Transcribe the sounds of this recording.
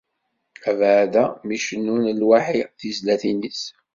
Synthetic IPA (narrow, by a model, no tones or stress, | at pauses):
ævʕðæmiʃənːunlwaħiθizlæθinis